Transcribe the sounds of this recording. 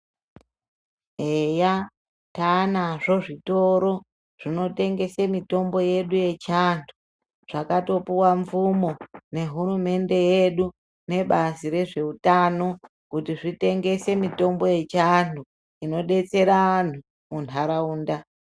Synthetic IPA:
eja | tanaʐo̞ʐito̞ɾo̞ | ʐ̥ino̞te̞ŋɡe̞semito̞mbo̞je̞ɗuje̞t͡ʃantʰu̥ | ʐ̥akato̞puwaɱvumo̞ne̞ɦuɾume̞nde̞je̞ɗu | ne̞ɓaziɾe̞ʐe̞utano̞ | kutiʐite̞ŋɡe̞se̞mito̞mbo̞je̞t͡ʃantu | ino̞ɗe̞t͡se̞ɾaan̤u | munʰaɾauːnda

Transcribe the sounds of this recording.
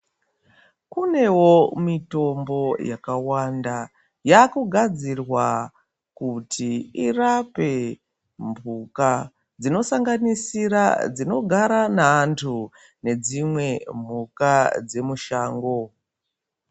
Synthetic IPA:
kune̞wo̞mito̞mbo̞jakawanda | jakuɡʱad͡zirwa | kutʰiirape̞ | mbuka | d͡zino̞saŋɡanisiɾa̰d͡zino̞ɡʱaɾanaːntʰu | ne̞d͡zimwe̞mbukad͡ze̞muʃaːŋɡo̞

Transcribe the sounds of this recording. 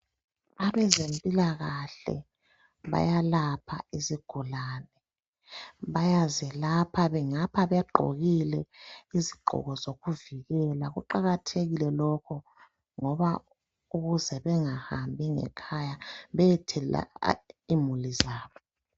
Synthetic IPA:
aβɛzempʼilaɣaɬɛ̰ | βa̰jalapʰa̰iziɡ̥ʱulaːnɛ | βajazɛlapʰaβɛŋapʰaβɛɡ͡ǃʱo̰ɣilɛiziɡ͡ǃʱɔ̰ɣɔzoɣuviɣɛlaɣuǃaɣatʰeɣilɛlɔkʰɔ | ŋɔβa | uɣuzɛβɛŋahambʱiŋɛ̰kʰajaβɛɛtʰɛla̰imulizaːβɔ

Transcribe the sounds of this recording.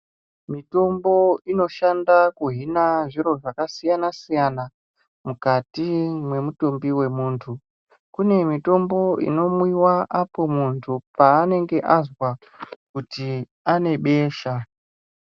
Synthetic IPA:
mito̞mbo̞ino̞ʃandakuɦinaʐiɾo̞ʐakasijanasijana | mukatimwe̞muto̞mbiwe̞muːntʰu | kune̞mito̞mbo̞ḭno̞mwiwaʔapo̞muntʰupaːne̞ŋɡe̞ʔazwa | kuti | ane̞ɓe̞ːʃa

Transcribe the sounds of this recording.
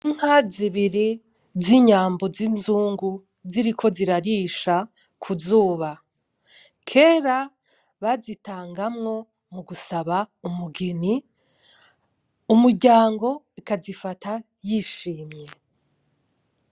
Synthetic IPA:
iŋ̥haziβiɾi | ziɲaːmbo̞zinzuːŋɡu | ziɾikʰo̞ziɾaɾiːʃa | kʰuzuːβa | kʰe̞ːɾa | βazitaːŋɡamŋo̞ | muɡusaβaumuɡeni | umuɾɟaːŋɡo̞ | ikazifatʰa | jiʃiːmɲe̞

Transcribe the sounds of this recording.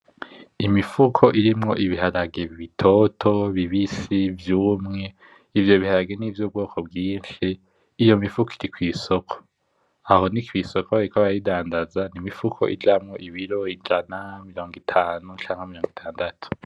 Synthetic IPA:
imifukʰo̞ʔiɾimŋo̞̰ʔiβiɦaɾaɡeβiβitʰo̞tʰo̞βiβisivjuːmŋe̞ | ivjo̞βihaɾaɡeniːvjobɡo̞ːkʰo̞bɡiːnʃiː | jo̞mifukiɾikwiːsokʰo̥ | aho̞nikwiːso̞kʰoaɾikaβaaidaːndazanimifukʰo̞̰ʔḭd͡ʒamŋo̞ʔiβiɾo̞id͡ʒanamiɾo̞ːŋɡitʰaːnut͡ʃaːŋamiɾo̞ːŋɡitʰaːndatʰu̥

